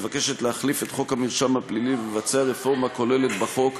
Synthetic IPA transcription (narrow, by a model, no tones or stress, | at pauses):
vake̞ʃet̪leaχlife̞t̪χo̞khamilʃamhaplilivemevat͡seaʁefo̞ʁmako̞le̞le̞t̪baχo̞k